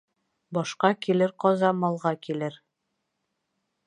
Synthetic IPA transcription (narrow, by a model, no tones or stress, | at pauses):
bɒʃqɑkilɘɾqɒzɑmɒlˠʁɑkilɘɾ